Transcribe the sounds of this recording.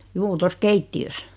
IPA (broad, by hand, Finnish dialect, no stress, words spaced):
juː tos keitːiøs